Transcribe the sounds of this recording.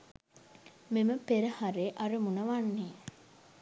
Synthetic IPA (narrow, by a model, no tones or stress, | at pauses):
meməpeɾɐhaɾeːʔɐɾəmunɐʋanːeː